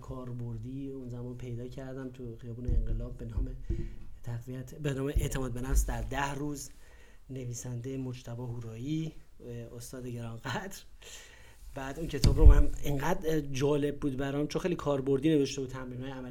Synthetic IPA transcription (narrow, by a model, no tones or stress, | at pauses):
kʰɒːɾboɾd̪iːunzæmɒːnpʰe̞jd̪ɒːcʰæɾd̪æmt̪ʰuxijɒːbuːneeŋɡelɒːbːenɒːmet̪ʰæɣviæt̪ʰbenɒːmeʔeʔt̪ʰemɒːd̪̚be̞næfsd̪æɾd̪æhruːz | ne̞viːsænd̪ejemo̞d͡ʒt̪ʰæbɒːhuːɾɒːjiː | ost̪ɒːd̪eɟeɾɒnɡæd̪ɾ | bæːd̪uncʰe̞t̪ʰɒːbɾomæmeŋɡæd̪d͡ʒɒːle̞b̚ːuːd̪bæɾɒːmt͡ʃʰonxejlikʰɒːɾbo̞ɾd̪iːne̞ve̞ʃt̪eud̪t̪ʰæmɾiːnhɒːjæmæl